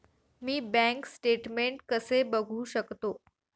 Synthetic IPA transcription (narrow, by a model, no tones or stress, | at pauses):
miːbæ̃ŋksʈeʈmeɳʈkəsebəɡʱuːɕəkt̪o